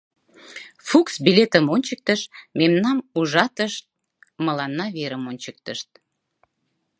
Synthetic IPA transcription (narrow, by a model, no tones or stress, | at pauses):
fuksbilʲet̪əmonʲt͡ɕək̚t̪əʃmemnɑmuʒɑt̪əʃt̪̚ | məlɑnːɑβeɾəmonʲt͡ɕək̚t̪əʃt̪̚